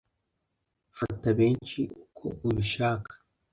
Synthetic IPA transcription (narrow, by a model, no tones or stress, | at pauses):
hat̪abent͡ʃiukʰo̰ʔuβiʃaːkḁ